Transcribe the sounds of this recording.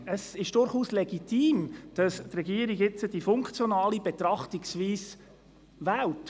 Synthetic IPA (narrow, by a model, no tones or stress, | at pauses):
əsɪʃd̥ʊɾχuːslɛɡitʰiːmd̥ɑstrɛɡiːəɾiɡɪt͡səd̥ifʊŋkt͡sjonɑːlibet̪ɾɑχtɪksviːs | væːlt